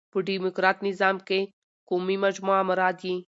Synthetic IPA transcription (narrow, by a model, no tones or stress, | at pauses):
pəɖimʊkɾaːt̪nɪzaːmke | komimad͡ʒmuamɐɾaːd̪ji